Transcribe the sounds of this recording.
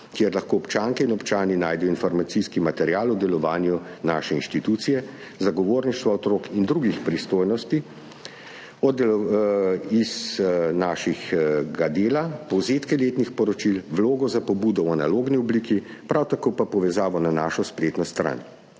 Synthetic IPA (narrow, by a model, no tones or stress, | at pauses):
kjeɾlaxkoːɔpt͡ʃaːŋkɛinɔpt͡ʃaːninaːjd̪ɛjɔinfɔɾmat̪siskimat̪ɛɾjaːlɔd̪ɛlɔʋaːnju | naːʃɛinʃt̪it̪ut̪sijɛ | zaɡɔʋoːɾniʃt̪ʋaɔt̪ɾoːkind̪ɾuɡixpɾist̪oːjnɔst̪i | ɔd̪ɛlɔ | iznaːʃixɡad̪eːlapɔwzeːt̪kɛleːt̪nixpɔɾɔt͡ʃilʋloːɡɔzapɔbuːd̪ɔwanaloːɡniɔbliːkipɾawt̪akoːpapɔʋɛzaːʋɔnanaːʃɔspleːt̪nɔst̪ɾa̰ːn